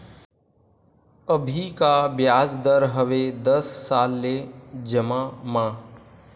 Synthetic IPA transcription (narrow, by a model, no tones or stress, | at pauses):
əbʱikabjaːd͡ʒd̪əɾɦəʋed̪əsːaːlːed͡ʒəmamãː